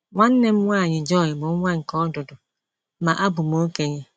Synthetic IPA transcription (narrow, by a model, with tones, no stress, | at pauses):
ŋʷa˦n̩˦ne˦m̩˦ŋʷa˦˨ɲɪ˨d͡ʒɔ˦˨ɲɪ˨mo˨˦ŋʷa˦ŋ̩˨kɔ˦dʊ˨dʊ˨˦ | ma˨ʔa˦bʊ˨mo˦ke˨ɲe˦